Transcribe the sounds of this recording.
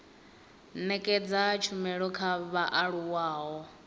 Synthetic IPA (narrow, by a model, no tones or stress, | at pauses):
nɛkʼɛd͡zat͡ʃʰumɛɺɔkʰaβaʔaɺuwaːɦɔ